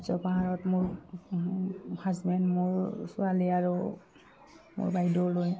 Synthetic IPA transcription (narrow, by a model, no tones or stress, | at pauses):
zɔpaɦaɹɔtmʊɹ | hazbɛndmʊɹsʊaliaɹu | mʊ̰ɹbajdoloj